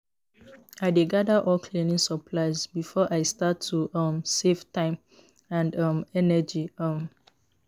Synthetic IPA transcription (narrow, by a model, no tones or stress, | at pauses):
aɪdeɡadaʔɔlkʰlenĩŋsəpʰlaɪzbifɔʔaɪstatʰːuʔɔmseftãɪ̃m | ãndʌmɛnɛd͡ʒiʌm